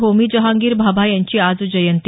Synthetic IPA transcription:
ɦomiːd͡ʑəɦãŋɡiːɾbʱabʱajaɲt͡ɕiːad͡zd͡ʑəjənt̪

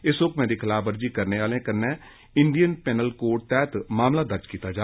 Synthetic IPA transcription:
ɪsʊkmɛ̃ːd̪iːkʰɪlaːbəɾd͡ʒiːkəɾneːʋaːlẽːkənːɛ̃ː | ɪɳɖijənpɛːnəlkoːʈ̚t̪ɛːt̪maːmlaːd̪əɾd͡ʒkiːt̪aːd͡ʒaː

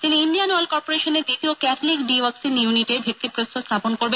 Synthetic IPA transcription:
t̪iniinɖijanalkɔɾpoɾeʃoneɾd̪it̪iokɛt̪ʰolikɖiʋaksinjuniʈebʱek̚t̪ipɾost̪ʰost̪ʰaponkoɾbe

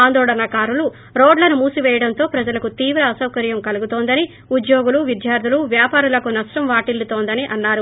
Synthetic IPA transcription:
aːnd̪ɔːɭɐnɐkaːɾulu | ɾoːɖlɐnumuːsiʋɛːjɐɽɐnt̪o̞ːpɾɐd͡ʒɐlɐkut̪iːʋɾɐːsɐwkɐɾjɐmkɐluɡut̪oːnd̪ɐni | ud̪joːɡuluʋid̪jaːɾd̪ʱuluʋjaːpaːɾulɐkunɐʂʈɐmʋaːʈilːut̪oːnd̪ɐniʔɐnːaːɾu

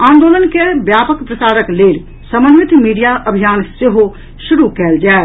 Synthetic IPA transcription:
ãːnd̪oːlənkebjaːpəkpɾəsaːɾəkleːl | səmənʋɪt̪miːɖijaʔəbʱijaːnseɦo | ʃʊɾukɛːld͡ʒaː

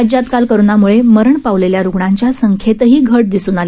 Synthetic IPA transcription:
d͡ʑat̪kalkəɾunamuɭeməɾəɳpaʋleljaɾuɡɳaɲt͡ɕjasəŋkʰet̪ɦiːɡʱəʈ̚d̪isuːnale

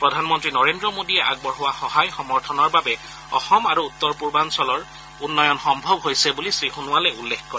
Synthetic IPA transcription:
pɹɔdʱanmɔntɹinɔɹendɹɔmodiɛʔa̰ɡ̚bɔɹɦʊwaxɔɦajxɔmɔɹtʰɔnɔɹbabɛ | ɔ̰xɔmaɹuːt̪ːɔɹpuɹbansɔlɔɹ | unːɔjɔnxɔmbʱɔbɦojsɛbulisɹixunʊwalɛulːekkɔɹɛɛ

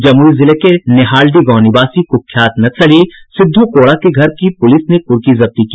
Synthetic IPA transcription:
d͡ʒɐmuːɾizɪlekenɪɦaːlɖiɡɔ̃ːnɪbaːsikokʰjaːt̪nɐt͡ʃʰɐlisɪd̪ʱːokoːɽakeɡʱɐɾkipʊlɪsnepʊɾkizɐb̚t̪ikiː

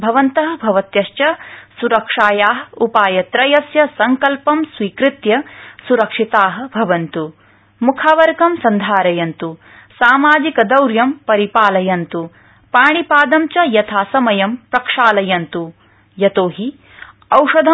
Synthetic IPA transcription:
bʱɐʋɐnt̪ɐɦɐ̆bʱɐʋɐt̪jɐʃt͡ʃɐsuɾɐkʂaːjaːɦupaːjɐt̪ɾɐjɐsjɐsɐŋkɐlpɐmsʋiːkɾɪt̪jɐsuɾɐkʂit̪aːɦɐ̆bʱɐʋɐnt̪u | mukʰaːʋɐɾkɐmsɐnd̪ʱaːɾɐjɐnt̪u | saːmaːd͡ʒikɐd̪ɐwɾjɐmpɐɾipaːlɐjɐnt̪u | paːɳipaːd̪ɐmt͡ʃɐjɐt̪ʰaːsɐmɐjɐmpɾɐkʂaːlɐjɐnt̪u | jɐt̪oːɦi | ɐwʂɐd̪ʱɐ

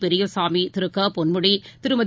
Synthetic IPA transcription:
pɛɾɪjɐsaːmit̪ɪɾɯkːɐpɔnmɯɽit̪ɪɾɯmɐð

